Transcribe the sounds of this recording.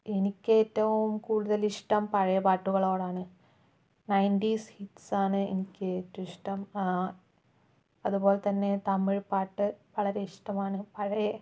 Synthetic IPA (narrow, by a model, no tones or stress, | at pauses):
enikʲːe̞ːtːɐʋumkuːɽuðɐliʂʈɐmpɐɻɐjɐpaːʈːuɣɐɭo̞ːɽaːɳɨ | nɐjndiːshitːsaːɳɨḛnikʲːetːɐiʂʈɐm | ɐðubo̞ːlet̪ɐnːe̞t̪ɐmːiɻpaːʈːɨʋɐɭɐɾe̞iʂʈɐmaːɳɨpɐɻɐjɐ